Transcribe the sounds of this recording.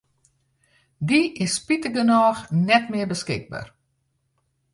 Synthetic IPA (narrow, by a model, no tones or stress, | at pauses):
diɪspitəɡənaːxnɛtmɪbəskɪɡ̚ba̰r